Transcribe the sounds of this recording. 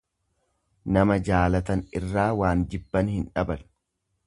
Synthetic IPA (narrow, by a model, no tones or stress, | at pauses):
nɐmɐd͡ʒaːlɐt̪ɐnɪrːaːwaːnd͡ʒɪbːɐnhɪnᶑɐbɐn